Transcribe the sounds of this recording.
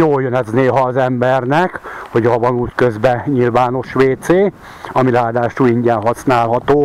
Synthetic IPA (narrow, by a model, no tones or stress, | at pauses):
joːljønɛzneːɦɒːzɛmbɛrnɛkho̞ɟhɒvɒnuːckøzbɛɲilvaːno̞ʃʋeːt̪seː | ɒmilaːd̪aːʃuːiɲɟɛnɦɒsnaːlɦɒt̪oː